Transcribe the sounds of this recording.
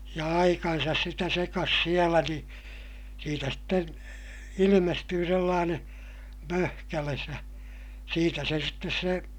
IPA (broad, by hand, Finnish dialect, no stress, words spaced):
jɑ ɑikɑnsɑs sitæ sekɑs sielæ ni siːtæ sten ilimestyː selːɑːneː møhkæles jɑ siːtæ se sitːes se